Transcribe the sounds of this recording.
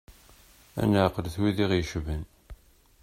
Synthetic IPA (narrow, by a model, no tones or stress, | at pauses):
æ̰nʕqəlθwiðiʁjəʃvən